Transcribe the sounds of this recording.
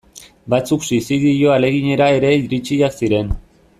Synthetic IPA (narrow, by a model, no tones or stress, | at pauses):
bat͡suksisiðiʝo̞ale̞ɣiɲe̞ɾae̞ɾe̞iɾit͡ʃiaksiɾe̞n